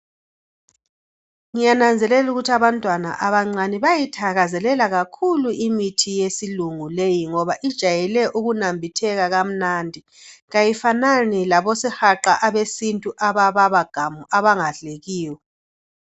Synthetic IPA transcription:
ŋijanand͡zʱɛlɛluɣutʰiaβantʼwana̰ʔaβaŋ͡ǀaniβajitʰaɣazɛlɛlaɣakʰuluimitʰijesiluŋulejiŋɔβaʔid̥ʒ̥ʱajɛlɛʔuɣunambʱitʰɛɣaɣam̩nandʱi | ɣajifananilaβɔsɛhaǃaʔaβesintʼuʔaβaβaβaɡ̥ʱamuaβaŋaɮeɣiːwɔ

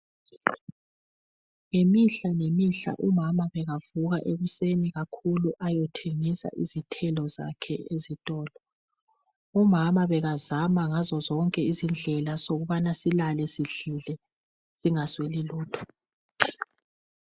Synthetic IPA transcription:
ŋemiɬanemiɬa̰ʔumamaβɛɣavuɣaʔeɣuseniɣakʰuluʔajɔtʰeŋisa̰ʔizitʰɛlɔza̰kʰɛʔezitʼɔːlɔ | umamaβɛɣazamaŋazɔzɔŋkʼɛizind͡ɮʱɛlasoɣuβanasilalɛsiɮilɛ | z̥iŋasweliluːtʰɔ̥

